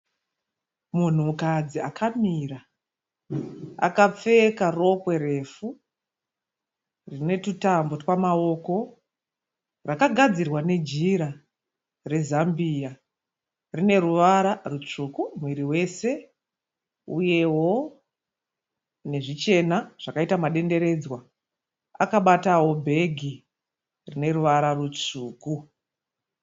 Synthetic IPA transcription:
mun̤umukad͡ziakʰamiːra | a̰kap͡fe̞karo̞kwe̞ɾe̞fu | rine̞tutambo̞twamao̞ko̞ | rakaɡʱad͡zirwane̞d͡ʒiɾa | re̞zambija | rine̞ruʋaɾarut͡ʂukumwiɾiwe̞se̞ | uje̞wo̞ | ne̞ʐit͡ʃe̞naʐ̥akaitamaɗe̞nde̞ɾe̞d͡zwa | akaɓatawo̞bʱe̞ɡʱi | rine̞ruʋaɾarut͡ʂuːku

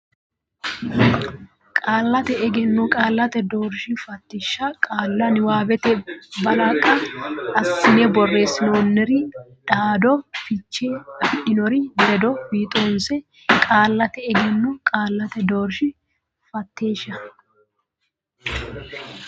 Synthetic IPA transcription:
kʼaːlːɐt̪ɛɛɡɛnːʊkʼaːlːɐt̪ɛd̪oːɾʃɪfɐt̪ːɪʃːɐkʼaːlːɐnɪwaːbɛt̪ɛbɐlɐkʼːɐɐsːɪnɛbɔrːe̞ːsɪnoːnːɛɾɪdaːd̪ɔfɪt͡ʃːfɪʔɪnɔɾɪd̪ɛd̪ɔbiːt̪ʼoːnsɛ | kʼaːlːɐt̪ɛɛɡɛnːʊkʼaːlːɐt̪ɛd̪oːɾʃɪ | fɐt̪ːe̞ːʃːɐ

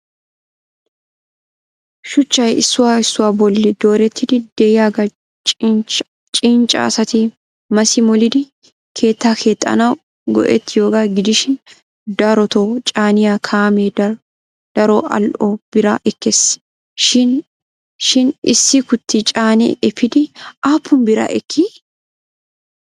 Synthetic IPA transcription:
ʃʊt͡ʃːɐjɪsːʊwaːɪsːʊwaːbɔlːɪd̪oːɾɛt̪ːɪd̪ɪd̪̥ɛjaːɡɐ | t͡ʃʼ | t͡ʃʼiːnt͡ʃʼa̰ːsɐt̪i | mɐsɪmɔlɪd̪ɪ | kʰe̞ːt̪ːaːkʰeːt̪ʼːɐ̰na | ɡɔ̰ʔɛ̰t̪ːɪjoːɡaɡɪd̪ɪʃɪn | d̪ɐɾɔt̪oːt͡ʃʼaːnɪjaːkʰaːmeːd | d̪̥ɐɾoːʔɐ̰lʔoːb̥ɪɾa̰ːʔɛkːes | ʃɪn | ʃɪnɪ̰sːikʊt̪ːɪt͡ʃʼaːnḛʔɛfɪd̪ɪʔaːpːʊmbɪɾa̰ːʔɛkʰːi

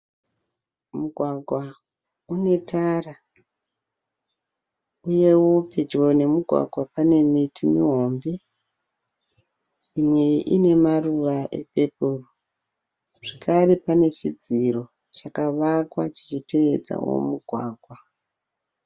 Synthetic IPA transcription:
muɡʱwaɡʱwa | une̞tara | uje̞woped͡ʒone̞muɡʱwa̰ɡʱwapane̞mitʰimiɦombe | imweʔine̞maruʋaʔḛpe̞puru | ʐ̥ikʰaripane̞t͡ʃid͡ziro̞ | t͡ʃakaʋakwat͡ʃi̥t͡ʃite̞ed͡za̰wo̞̰muɡʱwa̰ːɡʱwa

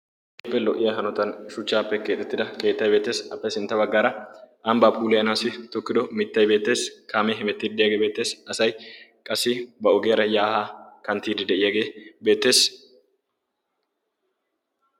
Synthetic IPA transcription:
pːɛlɔʔɪjɐɦɐnɔt̪ɐnʃʊt͡ʃːaːpːɛke̞ːt̪ːɛt̪ːɪd̪ɐke̞ːt̪ːɐjbe̞ːt̪ːe̞ːsɐpːɛsɪnt̪ːɐbɐɡːaːɾɐʔɐmbaːpʼuːlɛɐnaːsɪt̪ɔkːɪd̪ɔmɪt̪ːɐjbeːt̪ːe̞ːskʰaːmɛɦɪmɛt̪ːiːd̪ɪd̪ɛjɐɡeːbeːt̪ːe̞ːsɐsɐjkʼɐsɪbɐɔɡeːɾɐjaːhakɐnt̪iːd̪ɪd̪ɛʔɪjɐɡe̞ːbe̞ːt̪ːe̞ːs

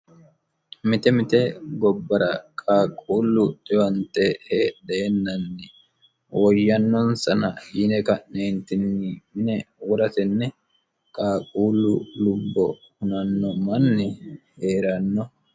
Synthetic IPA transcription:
mɪt̪ɛmɪt̪ɛɡɔbːɐɾɐkʼaːkʼuːlːʊt̪ʼɪwɐnt̪ɛheᶑeːnːɐnːɪ | wɔjːɐnːɔnsɐnɐjɪnɛkɐʔneːnt̪ɪnːɪmɪnɛwɔɾɐt̪ɛnːɛ | kʼaːkʼuːlːʊlʊbːɔhʊnɐnːɔmɐnːɛ | heːɾɐnːɔ

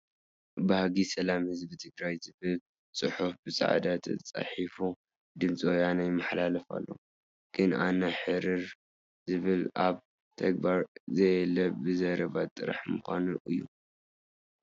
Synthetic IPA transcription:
bahaɡisɐlamhɨzbit̪ʰɨɡɾajzɨβɨl | t͡sʼɨħufbɨsʼa̰ʕ̰d̪at̪ʰɐ̰t͡sʼa̰ħifu | d̪ɨmt͡sʼojanajɪmːɐħlalɐfa̰lːo̞̰ | ɡ̥ɨnanɐħɨɾiɾ | zɨβɨlʔaβ | t̪ʰɐɡ̚baɾzɐjɛlɐbɨzɐɾɐβat̪ʼːɨɾa̰ħmɨxʷanuʔɨjːu

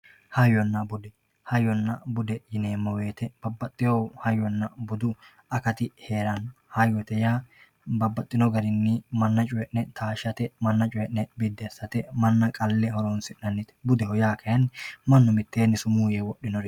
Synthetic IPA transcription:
hɐjɔnːɐbʊd̪ɛ | hɐjɔnːɐbʊd̪ɛjɪneːmːɐwe̞ːt̪ɛb̥ɐbːɐt̪ʼːɪjɔwhɐjɔnːɐbʊd̪ʊ | ɐkɐt̪ɪheːɾɐnhɐjɔt̪ɛjaː | bɐbːɐt̪ʼːɪnɔɡɐɾɪnːɪmɐnːɐt͡ʃʼʊjɛʔnɛt̪ʰaːʃɐt̪ɛmɐnːɐt͡ʃʼʊjɛʔnɛbɪd̪ːɛsːɐt̪ɛmɐnːɐkʼɐlːɛhɔɾɔnsɪʔɐnːɪt̪ɛ̥bʊd̪ɛhɔjaːkʰɐjɐnːɪmɐnːɔmɪt̪ːeːnːɪsʊmuːjewɔɗːɪnɔɾ

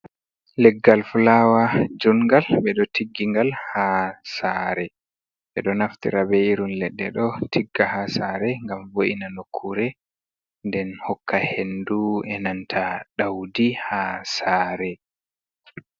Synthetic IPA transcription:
lɛɡːalfulawad͡ʒuŋɡalɓɛɗɔtʰiɡːiŋɡalhasaɾɛ | ɓɛɗɔnaftḭɾabɛiɾunlɛɗːɛ̰ɗɔtʰiɡːahasaɾɛŋɡamvoʔinanokʰːuɾɛ | ndɛnhɔkʰːahenduɛnantʰaɗawdihasaːɾɛ

